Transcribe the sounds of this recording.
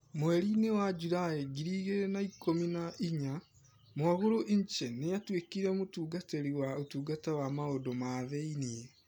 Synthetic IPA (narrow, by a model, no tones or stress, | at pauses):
mwɛɾinewad͡ʒudaeɡiɾiːɣeɾnaikʰominaʔiɲa | mwaɣoɾoʔiɲt͡ʃɛnejatwekiɾɛmotuːɡateɾiwaotuːɡatawamaodɔmaðeinie